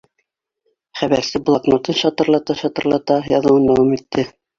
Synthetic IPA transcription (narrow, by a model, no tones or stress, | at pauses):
χæβæɾsɘb̆lˠɑknot̪ɤnɕɑt̪ɤ̆ɾlˠɑt̪ɑɕɑt̪ɤ̆ɾlˠɑt̪ɑjɑðɤ̆wɤnd̪æwɑmit̪ːɘ